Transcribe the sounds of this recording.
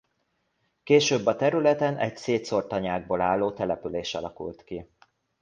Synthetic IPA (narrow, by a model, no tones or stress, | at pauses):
keːʃøːbːɒt̪ɛɾylɛt̪ɛnɛcseːt̪so̞rt̪ɒɲaːɡ̚boːlaːlːoːt̪ɛlɛpyleːʃɒ̰lɒkṵlt̪ki